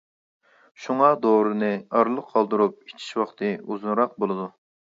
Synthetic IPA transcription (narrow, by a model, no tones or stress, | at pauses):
ʃuŋɑd̪oɾɨnɨɑɾlˠəqʰːɑlˠd̪ɨɾup̚i̥t͡ʃʰi̥ʃwɑχt̪ʰɨuzunɾɑq̚bolˠɨd̪u